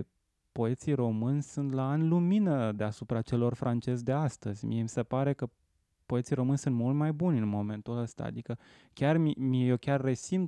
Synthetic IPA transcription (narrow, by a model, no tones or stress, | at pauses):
po̞e̞t̪sijro̞mɨnʲsunt̪laanluminəd̪e̞asupɾat͡ʃe̞lo̞rfɾant͡ʃe̞zd̪e̞ast̪əzʲmḭe̞misepaɾe̞kə | po̞e̞t̪sijɾo̞mɨnʲsunt̪mult̪majbunʲɨnmo̞me̞nt̪uləst̪a̰a̰d̪ikə | kʲarmimiejewkʲarːe̞sint̪